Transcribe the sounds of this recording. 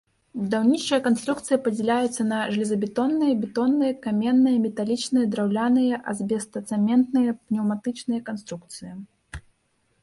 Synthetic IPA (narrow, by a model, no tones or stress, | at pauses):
bud̪awnʲit͡ʂɐjɐkanst̪ɾukt̪sɨjɐpɐd͡zʲɛlʲajɛt̪sːɐnɐʐɨlʲizɐbʲɛt̪ɔnːɨjɐbʲɛt̪ɔnːɨjɐkamʲɛnːɨjɐmʲɛt̪alʲit͡ʂnɨjɐd̪ɾawlʲanɨjɐʔɐ̰zʲbʲɛst̪ɐt̪sɛmʲɛnt̪nɨjɐpnʲɛwmat̪ɨt͡ʂnɨjɐkanst̪ɾuk̚t̪sɨjɐ